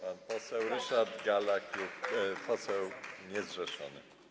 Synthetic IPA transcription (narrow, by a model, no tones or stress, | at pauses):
panpɔsɛwɾɘʂaɾd̪ɡalakjupɔsɛwɲɛzʐɛʂɔ̰nɘ̰